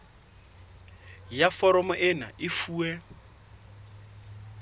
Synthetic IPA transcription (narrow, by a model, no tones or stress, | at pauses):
jafɔɾɔmɔʔɪna̰ʔɪfuːwɛ